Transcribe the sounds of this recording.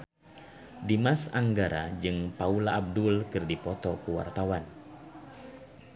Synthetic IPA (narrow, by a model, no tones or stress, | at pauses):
dimasaŋɡaɾa̰d͡ʒɨŋpaulaːb̚dʊlkɨrdipɔt̪ɔkuwa̰rt̪awan